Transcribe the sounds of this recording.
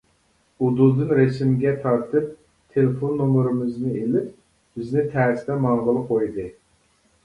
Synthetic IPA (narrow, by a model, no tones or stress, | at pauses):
ud̪ud̪ɨnɾesɪmɡʲɛt̪ʰɑɾt̪ʰɨp̚ | t̪ʰelefonːomɾɨmɨznɨelɪp | b̥ɪznɪt̪ʰæːɾsd̪ɛmɑŋʁəlˠɨqʰojd̪ɨ